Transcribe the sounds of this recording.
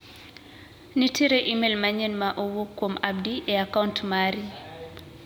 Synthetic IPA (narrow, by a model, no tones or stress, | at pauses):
nitʰiɾeʔimelmaɲɛnmaʔowokːwomab̚diʔeakauntmaɾi